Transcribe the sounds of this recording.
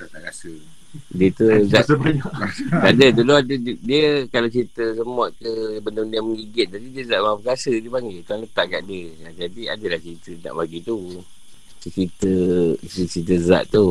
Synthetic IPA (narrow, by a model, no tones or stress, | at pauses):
asə | diət̪uzabaɲaʔkaʔdət̪uloadədiəkalat͡ʃɾit̪əsəmɔt̪̚kəbəndəbəndəaməŋɡiɡɪt̪̚t̪adidiəzaʔmapəkasədiəpaŋɡɪlt̪uaŋlət̪aʔka̰ʔdəad͡ʒadia̰dəlaht͡ʃɾit̪əna̰ʔbaɡit̪u | sət͡ʃɾit̪ə | t͡ʃit̪̬əza̰ʔt̪u